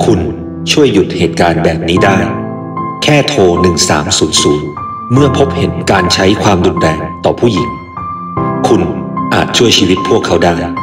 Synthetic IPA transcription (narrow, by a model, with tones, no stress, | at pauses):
kʰu˧n | t͡ɕʰu˥˩əjːu˨˩t̪̚heː˨˩t̪̚kaː˧nbɛː˨˩p̚niː˦˥daː˥˩j | kʰɛː˥˩t̪ʰoː˧nɯ˨˩ŋsa̰ː˩˦msuː˩˦nsuː˨˩˦n | mɯ˥˩ɐpʰo˦˥p̚he˩˦nkaː˧nt͡ɕʰa˦˥jkʰwaː˧mdu˧nɾɛː˧ŋt̪ɔ̰ː˨˩pʰuː˥˩ji˨˩˦ŋ | kʰu˧nʔaː˨˩t̪̚t͡ɕʰu˥˩əjt͡ɕʰiː˧wi˦˥t̪̚pʰu˥˩əkʰːa˦˥wdaː˥˩j